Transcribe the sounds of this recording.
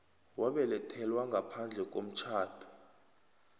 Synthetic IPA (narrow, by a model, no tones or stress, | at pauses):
waɓɛlɛtʰɛlwaŋɡʱapʰand͡ɮʱɛk̬ʼo̰m̩t͡ʃʰaːtʰu̥